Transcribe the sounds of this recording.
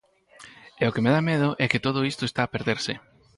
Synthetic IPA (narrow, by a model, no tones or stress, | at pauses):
eokemeðameð̞ʊʔɛkɪt̪oð̞oist̪oest̪aːpeɾðeɾsɪ